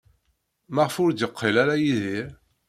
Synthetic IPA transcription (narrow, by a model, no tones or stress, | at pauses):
maʁfʊɾd̪jəqʰːelaɾajiðiɾ